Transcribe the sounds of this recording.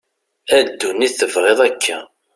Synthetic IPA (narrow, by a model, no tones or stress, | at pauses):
æd̪ːunːiθəvʁeðˤækʰːæ